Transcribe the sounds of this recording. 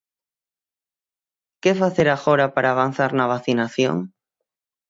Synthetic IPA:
kefaθeɾaxoɾapaɾaːβan̟θaɾnaβ̞aθinaθjo̰ŋ

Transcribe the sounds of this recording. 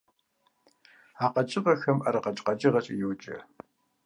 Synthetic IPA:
aːqɐt͡ʃʼɪʁɐxɐmʔɐɾɐqɐt͡ʃʼqɐd͡ʒɪʁɐt͡ʃʼɪjɛwt͡ʃʼɐ̰

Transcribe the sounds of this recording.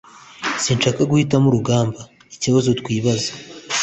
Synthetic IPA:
sinʃaːkaɡuhitamuɾuɡaːmba | icoβazotkwiːβazḁ

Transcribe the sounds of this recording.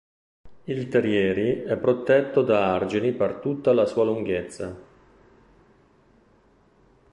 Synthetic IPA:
ilt̪eɾjɛːɾiɛpːɾot̪ɛt̪ːod̪aard͡ʒinipert̪ut̪ːalasuːaluŋɡet̪sːa

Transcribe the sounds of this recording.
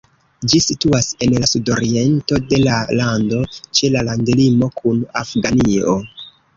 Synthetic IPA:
d͡ʒisituase̞nlasudo̞ɾie̞nto̞de̞lalando̞t͡ʃe̞lalaŋdilimo̞kʰuna̰fɡanio

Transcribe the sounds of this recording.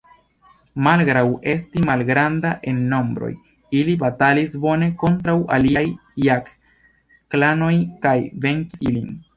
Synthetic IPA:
malɡɾawe̞stimalɡɾandaʔe̞nːo̞mbɾo̰j | ilibatalisbo̞ne̞ko̞ntɾawʔa̰liajːak | klano̞jkajve̞ŋkiilin

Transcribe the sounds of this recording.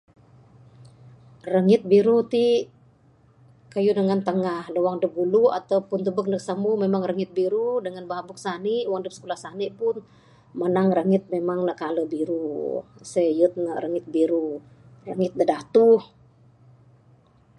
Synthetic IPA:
rəŋɪt̪̚biɾut̪i | kajudəŋant̪əŋahləwaŋdəbuluat̪awpʊnt̪ubək̚nək̚samumemaŋrəŋɪt̪̚biɾudəŋanbaɦbuk̚saniʔwaŋdəp̚sə̥kulahsaniʔpʊn | mənaŋrəŋɪt̪̚memaŋlakaləbiɾusəjət̪̚nərəŋɪt̪̚biɾu | rəŋɪt̪̚dədat̪uh

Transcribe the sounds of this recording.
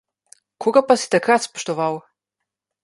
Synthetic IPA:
kʰɔɡapasi̥t̪ɐkat̪spɔ̥ʃt̪ɔvaw

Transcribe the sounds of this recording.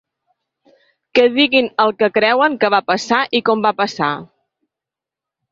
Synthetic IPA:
kɛðiɣinəlˠkəkɾɛwəŋkəβapəsaʔikɔmbapəsa

